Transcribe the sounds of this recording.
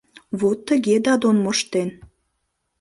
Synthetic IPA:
βot̪ːəɣed̪ɑd̪onmoʃt̪en

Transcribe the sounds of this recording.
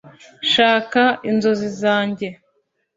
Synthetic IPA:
ʃaːkainzo̞zizaːɲɟe̞

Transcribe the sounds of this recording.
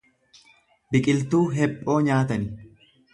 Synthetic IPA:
bɪkʼɪlt̪uːɦɛpʼːo̞ːɲaːt̪ɐnɪ

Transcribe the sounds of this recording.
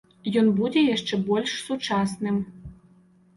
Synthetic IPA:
jɔnbud͡zʲɛjaʂt͡ʂɛbɔlʲʂsut͡ʂɑsnɨm

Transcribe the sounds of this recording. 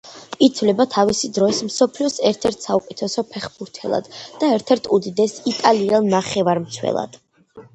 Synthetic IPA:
it̪sʰvlɛbat̪ʰavisid̪ɾɔismsɔpʰliɔsɛɾt̪ʰɛɾt̪ʰsaukʼɛt̪ʰɛsɔpʰɛχbuɾt̪ʰɛlˠa̰d̪̥d̪̥aɛɾt̪ʰɛɾt̪ʰud̪id̪ɛsit̪ʼalialˠnaχɛvaɾmt̪sʰwɛ̰lˠa̰d̪̥

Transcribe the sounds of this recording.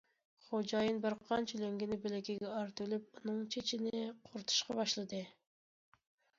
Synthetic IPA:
χod͡ʒɑjɨnbɨɾqʰɑnt͡ʃʰyleŋɡʲinɪbɪlɪkʲiɡʲɛɑɾt̪ylyp̚unɨŋt͡ʃʰet͡ʃʰinɪqʰʊɾt̪ʰu̥ʃqɑbɑʃlˠɨd̪ɨ

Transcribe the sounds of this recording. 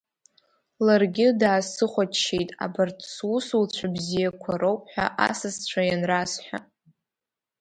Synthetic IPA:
larɡʲɪdaːsɨχʷat͡ʃʃejtʼa̰bartʰʼswusult͡ɕʷʰabzijakʷʰaɾowpʰʼħʷᶣa̰ʔa̰sɨzt͡ɕʷʰajanrasħʷᶣa̰

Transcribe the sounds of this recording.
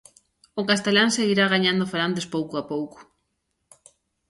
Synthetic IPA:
ʊkast̪elaŋseɣiɾaɣ̞aɲãnd̪ʊfaɾant̪espowkʊapowkʊ̥

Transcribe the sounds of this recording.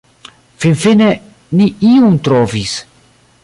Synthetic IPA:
finfine | niiumt̪ɾovis

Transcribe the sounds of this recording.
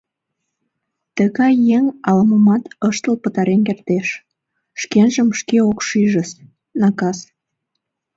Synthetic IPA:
t̪əɣɑjːeŋɑləməmɑt̪əʃt̪əlpət̪ɑɾenkert̪eʃ | ʃkenʒəmʃkeokʃyʒəs | nɑkɑs

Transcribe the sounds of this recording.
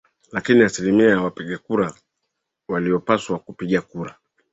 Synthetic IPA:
lakiniasilimiajawapiɠakuɾa | waliɔpaswakupiɠakuɾa

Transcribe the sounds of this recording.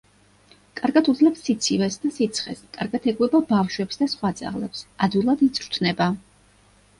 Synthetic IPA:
kʼaɾɡat̪ʰud̪zlɛpsːit̪sʰivɛsd̪asit̪sʰχɛ̰skʼaɾɡat̪ʰɛɡwɛbabafʃwɛpsd̪asχwad̪zʼa̰ʁlɛ̰psad̪vilˠad̪it̪sʰʼɾt̪ʰnɛba

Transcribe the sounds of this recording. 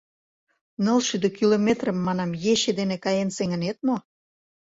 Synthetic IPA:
nəlʃyd̪økilomet̪rə̆mːɑnɑmjeɕed̪enekɑjenseŋə̆net̪mo

